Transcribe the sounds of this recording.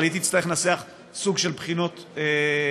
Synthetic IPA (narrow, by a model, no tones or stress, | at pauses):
lit̪̬iːt͡sstaʁeχnaseaχ | suɡʃelbχino̞t̪e